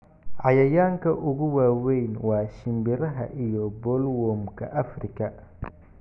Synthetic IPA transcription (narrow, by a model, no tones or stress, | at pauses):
ʕɑjɐjaːŋkʰɐʔʊɣʊwaːwɛjnwɑːʃɪmbɪɾɐɦɐ̰ʔijɔbɔːlwɔːmkʰɐ̰ʔɐfrɪkʰɐ